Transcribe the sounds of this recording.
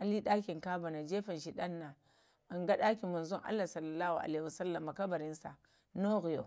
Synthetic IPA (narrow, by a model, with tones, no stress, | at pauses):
ʔa˨li˦ɗa˦kʲi˨ŋka˦ba˨na˨d͡ʒeː˦ɸa˨nʃi˨ɗa˦nːa˨ | a˨ŋɡa˦ɗa˦ki˨mu˨nzo˦ŋʔa̰˦lːa˨sɐ˦lːa˨lːa˦hu˨ʔa̰˨le˦˨a˨sa˦lːa˨mːa˨ka˦ba˨ɾi˦nsa̰˨ | no˦ɣi˨jo̰˨